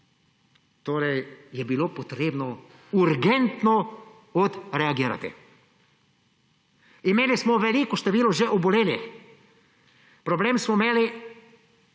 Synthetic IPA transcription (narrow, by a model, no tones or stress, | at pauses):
t̪oːɾɛjjɛbiloːpot̪ɾeːbnɔ | uɾɡɛnt̪nɔ | ɔt̪ɾɛaɡiːɾa̰t̪ḭ | imeːlismɔʋɛliːkɔʃt̪ɛʋiːlɔʒeʔɔbɔleːli | pɾɔbleːmsmɔmeːli